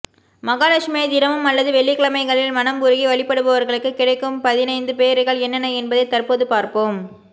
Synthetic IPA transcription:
mɐɣaːlɐʂmeːðɪɾɐmɯmɐlːɐðɯʋɛɭːɪkɐɭɐmɐɪɣɐɭɪlmɐnɐmbʊɾɯɣiʋɐɭɪpːɐɽɯpɐʋɐɾɣɐɭɯkːɯkːɪɽɐɪkːɯmpɐðɪnɐɪnd̪ɯpeːɾɯɣɐɭɛnːɐnɐɛnbɐðɐɪt̪ːɐrpoːðɯpaːɾpoːm

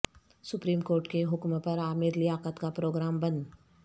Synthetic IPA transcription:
sʊpɾiːmkoːɾʈkeɦʊkmpɐɾaːmɪɾlɪjaːqət̪kapɾoːɡɾaːmbɐn

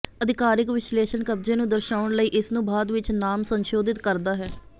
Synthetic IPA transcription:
əd̪ʱɪkaːɾɪkʋɪʃleːʃənkəbd͡ʒẽːnũːd̪əɾʃaːəɳləiːʔɪsnũːbʱaːd̪ʋɪt͡ʃnaːmsənʃoːd̪ɪt̪kəɾd̪aːɦɛː

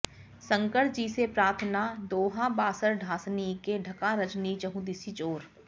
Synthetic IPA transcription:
sɐ̃ŋkəɽ̚d͡ʒiːsepɾaːɾt̪ʰənad̪oːɦãbaːsəɾɖʱaːsnikeɖʱɐkaɾɐt͡ʃnit͡ʃɐɦũd̪ɪsit͡ʃoːɾ

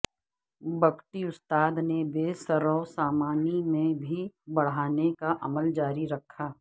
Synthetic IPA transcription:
bɐkʈiʊst̪aːd̪nebeːsɐɾɔʊsaːmaːnimẽbʱibɐɽ̤aːnekaʔɐməld͡ʒaːɾiɾɐkʰːaː

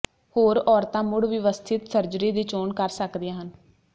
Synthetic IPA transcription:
hoːɾɔːɾt̪ãːmʊɽʋɪʋəst̪ʰɪt̪səɾd͡ʒɾiːd̪iːt͡ʃoːɳkəɾsəkd̪iãːɦən

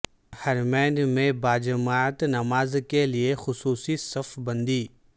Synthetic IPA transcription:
hɐɾmɛ̃ːɳɖmẽbaːd͡ʒəmaːt̪nɐmaːzkeliexʊsuːsisɐfbɐ̃nd̪iː

